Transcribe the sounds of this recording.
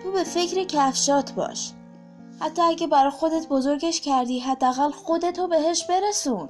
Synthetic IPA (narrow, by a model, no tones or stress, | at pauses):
t̪uːbe̞fe̞cʰɾecʰæfʃɒːt̪ʰbɒ̰ːʃ | hæt̪ʰːɒːæɟʲæbæɾɒːjxo̞d̪e̞t̪bozoɾɟeʃcʰæɾd̪iːɦæd̪ːeæɣælxod̪e̞t̪ʰobe̞ɦe̞ʃbe̞ɾesuːn